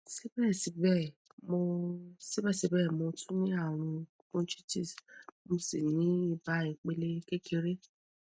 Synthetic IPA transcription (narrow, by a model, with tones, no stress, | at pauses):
si˦bɛ˦˨si˨˦bɛ˦˨ | mo˧si˦bɛ˦˨si˧˦bɛ˦˨mo˧tʰũ˦nĩ˦a˦˨ɾ̃ũ˧˦ | kũ˦t͡ʃi˦ti˦˨smo˧si˦˨nĩ˨˦i˦˧ba˨˦i˨k͡pe˧le˦ke˦ke˧ɾe˦